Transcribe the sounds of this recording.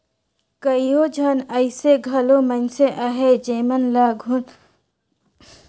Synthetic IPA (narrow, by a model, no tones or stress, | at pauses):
kəijod͡ʒʱənəɪseɡʱɐlomənseʔaɦed͡ʒeːmənlaɡʱʊn